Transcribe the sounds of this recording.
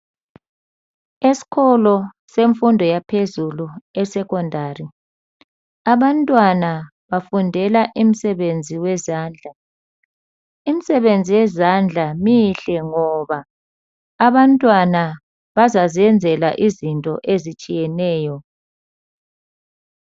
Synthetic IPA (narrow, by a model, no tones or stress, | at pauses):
esi̥kʰɔlɔ | seɱfundʱɔjapʰezuluɛsɛkʰʼɔndʱari | aβantʼwana | βafundʱɛlaʔim̩sɛβend͡zʱiwɛzaːnd͡ɮʱa | im̩sɛβend͡zʱiwɛzand͡ɮʱamiɬɛŋɔβaː | βantʼwana | βazaziɛnd͡zʱɛlaʔizintʼɔ̰ʔezit͡ʃʼijɛnɛːjɔ